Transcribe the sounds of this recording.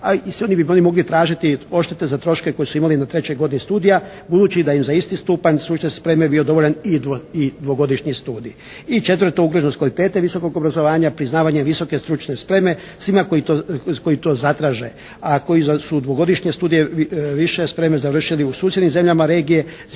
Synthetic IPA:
asʋio̞nibio̞nimo̞ɡlit̪ɾaːʒit̪io̞ʃt̪et̪e̞zat̪ɾo̞ʃkeko̞jesuimalinat̪ɾet͡ɕojɡo̞d̪inist̪uːd̪ija | bud̪uːt͡ʃid̪aimzaist̪ist̪uːpaɲsɾut͡ʃnespɾe̞me̞bio̞d̪o̞ʋo̞ʎanid̪id̪ʋo̞ɡo̞d̪iʃɲist̪uːd̪i | it͡ʃe̞t̪ʋɾr̩t̪ouɡɾoʒnoskʋalit̪e̞ːt̪e̞ʋiso̞ko̞ɡobɾazo̞ʋaːɲapɾiznaːʋaɲeʋiso̞kest̪ɾut͡ʃne̞spɾe̞me̞ | sʋimakojioko̞it̪o̞ːzat̪ɾaːʒe̞ | ako̞jisud̪ʋo̞ɡo̞d̪iʃɲest̪uːd̪ijeʋiʃespɾe̞mezaʋr̩ʃiliusuːsʲjed̪nimze̞mʎamaɾe̞ːɡije̞

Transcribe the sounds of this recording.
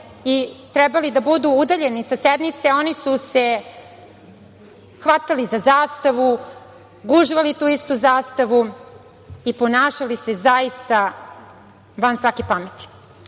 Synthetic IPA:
it̪ɾɛbalid̪abud̪uud̪aʎe̞nisased̪nit̪seo̞nisuse̞ | xʋat̪alizazaːst̪aʋu | ɡuʒiʋalit̪uːist̪uzaːst̪aʋu | iponaːʃalise̞zaist̪a | ʋansʋakepamet̪i̥

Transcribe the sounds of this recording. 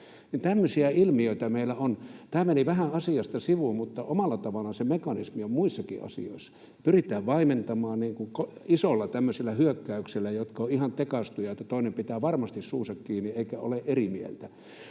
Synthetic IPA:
nint̪æmːøsiæilmioit̪ɑmeilːˑæont̪æːmeniʋæhæɑsiɑst̪ɑsiʋummut̪ːɑʔomɑlːˑɑt̪ɑʋɑlɑsemekɑnismiommuisːɑkḭʔɑ̰sḭo̰isːɑ̥ | pyrit̪ˑæːʋʋɑiment̪ɑmɑːnniːŋkukoisolːɑt̪æmːøselːæhyøkːæykselːæjot̪kɑoʔihɑnt̪ekɑst̪ujɑet̪ːæt̪oˑinempit̪æːʋɑrmɑst̪issuːsɑkkiːnieˑikæo̰leʔerimiḛlt̪æ

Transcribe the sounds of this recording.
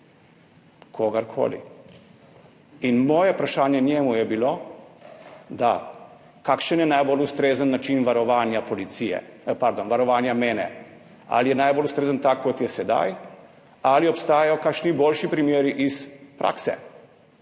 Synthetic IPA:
kʰoːɡaɾkʰo̰ːlḭ | inmɔːjɛpɾaʃaːnjɛnjɛːmujɛbilo | d̪a̰ | kakʃənjɛnajbolust̪ɾeːzənːat͡ʃinʋaɾɔʋaːnjapɔlit̪sijɛ̰əpaɾd̪oːnʋaɾɔʋaːnjameːnɛ | a̰lijɛnajbolust̪ɾeːzənt̪akʰːɔt̪jɛsɛd̪a̰j | aliɔpst̪aːjajɔkakʃniboːlʃipɾimjeːɾiʔispɾʔa̰ːksɛ̰

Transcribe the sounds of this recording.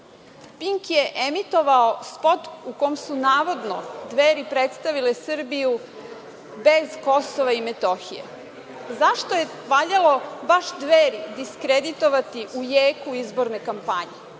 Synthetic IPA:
piŋkjeʔemit̪o̞ʋaospo̞t̪ukomsunaːʋo̞d̪nod̪ʋeːɾipɾet̪st̪aʋilesr̩biju | bezko̞soʋaimet̪o̞xḭjḛ | zaʃt̪oje | ʋaʎalo̞baʃd̪ʋeːɾid̪iskɾed̪it̪o̞ʋat̪iʔujeːkuizbo̞ɾnekampaɲe

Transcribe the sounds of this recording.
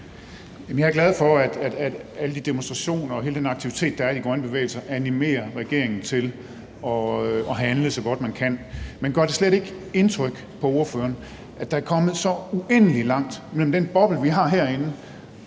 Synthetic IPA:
jæmn̩jɑ̈ɐɡlæð̞ˠfɒ̽æd̥æd̥æd̥æləd̥id̥e̝monsd̥ʁɑ̈ɕo̝̰ːnɐɒ̽ɦe̝ːləd̥enɑ̈ɡ̥t͡sʰiʋit͡sʰe̝̰ːd̥ɑ̈æɐ̥iɡ̥ʁɶnəb̥e̝ʋḛːl̩sɐʔænime̝̰ːɐʁɛɡ̥e̝ɐ̰e̝ŋn̩t͡sʰe̝l | ɒ̽ɒ̽ɦænləsɒ̽ɡ̥ɒ̽d̥mænkʰæn̰menɡ̥ɶɐd̥e̝sledɾe̝ɡ̥ | e̝nt͡sʰʁœɡ̥ | pʰɒ̽o̝ɐføːɐn | ʔæd̥ɑ̈æɐkʰɒ̽mð̞̩ˠsɒ̽uʔen̰əlilɑ̈ŋ̰d̥mel̰m̩d̥enb̥ɒ̽b̥l̩ʋiɦɑ̈ːɦæɐ̰e̝nə

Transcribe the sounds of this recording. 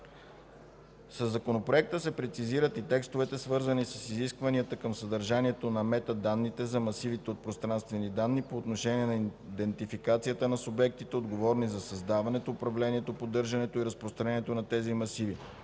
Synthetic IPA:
səzːɐkonopɾoɛk̚t̪əsɛpɾɛt̪siziɾət̪it̪ɛkst̪ovɛt̪ɛsvɤɾzənisəsiziskvɐniət̪əkəmsɐd̪əɾʒaniɛt̪onɐmɛt̪əd̪anːit̪ɛzɐmɐsivit̪ɛot̪̚pɾost̪ɾanst̪vɛnid̪anːipoːt̪noʃɛniɛnɐd̪ɛnt̪ifikat̪sijət̪ənɐsʊbɛk̚t̪it̪ɛod̪ɡovɔɾnizɐsɐzd̪avɐnɛt̪oːpɾɐvlɛniɛt̪opod̪ɤɾʒɐnɛt̪oiɾəspɾost̪ɾɐnɛniɛt̪onɐt̪ɛzimɐsivi

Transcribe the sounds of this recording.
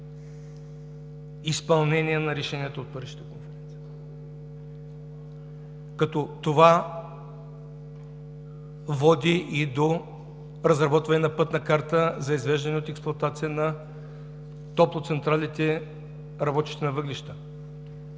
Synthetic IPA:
ispɐlˠnɛnʲijɛnɐɾɛʃɛnijət̪oot̪̚pəɾiʃi̥t̪ɐkonfɛɾɛnt̪sij | kɐt̪ɔt̪ova | vɔd̪iʔid̪o | ɾɐzɾɐbɔt̪vɐnɛnɐpɤt̪nɐkaɾt̪əzɐizvɛʒd̪ɐnɛot̪ɛksplˠoɐt̪at̪sijənɐ | t̪ɔplˠot̪sɛnt̪ɾalit̪ɛ | ɾɐbɔt̪i̥ʃt̪ɛnɐvɤɡliʃt̪ə

